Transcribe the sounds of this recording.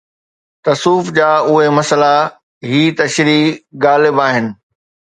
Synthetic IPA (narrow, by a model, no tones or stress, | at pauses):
t̪ɐsuːfd͡ʑaːʊɦemɐsəla | ɦiːt̪ɐʃɾiːɡaːlɪbaːɦɪnɪ̆